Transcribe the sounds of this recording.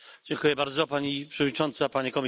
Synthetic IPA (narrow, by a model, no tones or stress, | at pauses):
d͡ʑɛŋkujɛbaɾd̪zɔpaɲipʂɛvɔd̪ɲit͡ʂɔnt̪sapaɲikɔmʲ